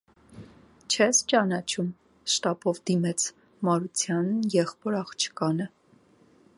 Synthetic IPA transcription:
t͡ʃʰɛst͡ʃɑnɑt͡ʃʰum | ʃt̪ɑbɔvd̪imɛt͡sʰ | mɑɾut͡sʰjɑnjɛχpɔɾɑχt͡ʃʰə̥kɑnə

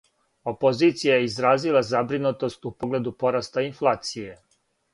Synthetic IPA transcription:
o̞po̞ziːt̪sijajeizɾaːzilˠazabɾinut̪o̞st̪upo̞ɡle̞d̪upo̞ɾast̪ainflˠaːt̪sije̞

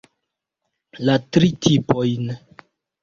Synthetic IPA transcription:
latɾitʰipo̞jn

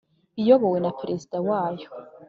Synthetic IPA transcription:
ijobowenapʰrezidawaːj

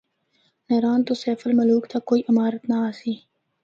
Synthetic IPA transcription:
nɐɾaːnt̪osɛːfəlmɐluːkt̪ʰakːoːiːʔɪmaːɾət̪naaːsiː

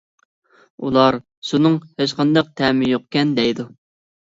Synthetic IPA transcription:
ulˠɑɾ | ʃunɨŋheʃqɑnd̪ɑq̚t̪ʰɛmɪjoqkʲɛnd̪ɛjd̪u

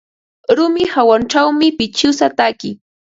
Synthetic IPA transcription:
ɾʊmɪhawanʈ͡ʂawmɪpɪt͡ʃʊsat̪akɪ

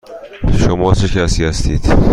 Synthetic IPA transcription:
ʃomɒːt͡ʃʰecʰæsiːhæst̪ḭːd̪̥

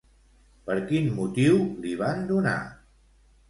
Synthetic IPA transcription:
pəɾkinmut̪iwliβand̪una̰

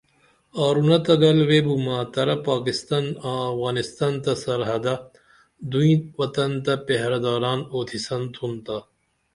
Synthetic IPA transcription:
aːɾunɐt̪ɐɡɐlweːbumaːt̪ɐɾɐpaːkɪst̪anaːfɣaːnist̪aːnt̪ɐsɐɾɦɐd̪ɐ | d̪uĩʋɐt̪ɐnt̪ɐpeɦɾɐd̪aːɾaːnoːt̪ʰisɐnt̪ʰunt̪a

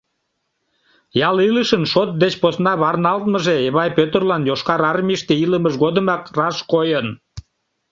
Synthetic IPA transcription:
jɑliləʃənʃot̪̚d̪et͡ɕposnɑβɑrnɑlt̪məʒeeβɑjpøt̪ərlɑnjoʃkɑɾɑrmʲiʃt̪eiləməʃɣod̪əmɑkrɑʃkojən

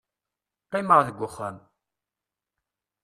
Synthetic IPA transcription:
qːiməʁðəɡʷːʊχən

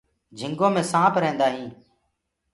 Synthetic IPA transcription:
d͡ʒʱɪŋɡõːmẽːsãːpɾẽːnd̪aːɦĩː

